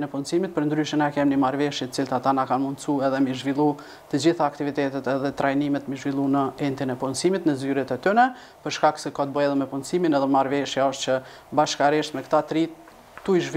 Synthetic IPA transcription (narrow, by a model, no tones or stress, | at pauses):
nɛpunsimit̪̚pəɾnd̪ɾyʃənakɛmnimaɾvɛʃjɛt̪ə̥t͡silt̪at̪anakanmund̪suɛðɛmiʒvilˠu | t̪əd͡ʑiθaːk̚t̪ivit̪ɛt̪ɛt̪ɛðɛt̪ɾajnimɛt̪miʒvilˠunəɛnt̪inɛpunsimit̪nəzyɾɛt̪ɛt̪ynɛ | pəɾʃkak̚sɛkat̪̚bəjɛðɛmɛpunsiminɛðɛmaɾvɛʃjaɔʃt̪t͡ɕə | baʃkaɾɛʃt̪mɛkt̪at̪ɾit̪ | t̪uiʒv